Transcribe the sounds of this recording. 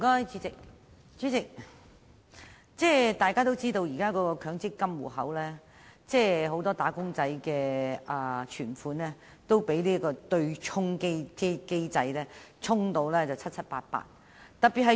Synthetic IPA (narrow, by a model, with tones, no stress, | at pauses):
kɔː˥jt͡si˨˥t͡sɪ˨k̚ | t͡sy˨˥t͡sɪ˨k̚ | t͡sɛː˥˩t̪aː˨˩jkaː˥t̪o˥wt͡siː˥t̪o˧wjiː˨˩kaː˥kɔː˨˧kɔː˧kʰœː˨˥ŋt͡sɪ˥kːɐ˥mwṵ˨˩hɐ̰˨˥wlɛː˥ | t͡sɛː˥˩ɦo˨˥wt̪ɔː˥t̪aː˨˥kʊ˥ŋt͡sɐ˨˧jkɛː˧ɐ˨˩t͡ʃʰyː˨˩nfuː˨˥nlɛː˥ | t̪o˥wpe˨˥jliː˥kɔː˧t̪ɵ˧ɥt͡ʃʰʊ˥ŋke˥jke˥jke˥jt͡sɐ˧jlɛː˥t͡sʰʊ˥ŋt̪o˧wlɛː˥t͡sɐ˨wt͡sʰɐ˥t̚t͡sʰɐ˥t̚pa̰ː˧t̚pa̰ː˧t̚ | t̪ɐ˨t̚pi˨t̚ɦɐ˨˧